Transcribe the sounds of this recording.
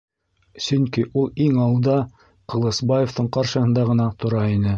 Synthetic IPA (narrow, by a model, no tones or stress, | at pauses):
sɵŋkiʔulˠiŋɑwlˠd̪ɑ | qɤ̆lˠɤ̆sbɑjeft̪ɤɴqɑɾʃɤ̆ɦɤ̆nd̪ɑʁɤ̆nɑt̪ʰŏɾɑinɘ